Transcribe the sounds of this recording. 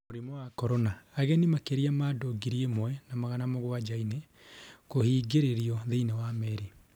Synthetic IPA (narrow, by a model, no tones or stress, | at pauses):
moɾimɔwakɔɾɔnaːɣɛnimakeɾiamadoɡiɾiemwɛnamaɣanamoɣwad͡ʒaine | kohiːɡeɾeɾiɔðeinewamɛɾi